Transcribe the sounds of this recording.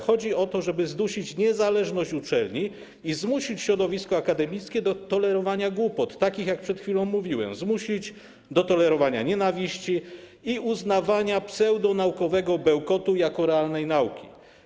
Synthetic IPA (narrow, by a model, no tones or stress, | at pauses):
xɔd͡ʑiɔt̪ɔʐɛbɘzd̪uɕit͡ɕɲɛzalɛʐnɔɕt͡ɕut͡ʂɛlɲi | izmuɕit͡ɕɕɾɔd̪ɔvʲiskɔakad̪ɛmʲijt̪skʲɛd̪ɔt̪ɔlɛɾɔvaɲaɡwupɔt̪ːakʲixjak̚pʂɛt̪xfʲilɔ̃w̃mːuvʲiwɛ̰mzmuɕʲid͡ʑ | d̪ɔt̪ɔlɛɾɔvaɲa̰ɲɛnavʲiɕt͡ɕi | iuznavaɲapsɛwd̪ɔnaukɔvɛɡɔbɛwkɔt̪ujakɔɾɛalnɛjnaukʲi̥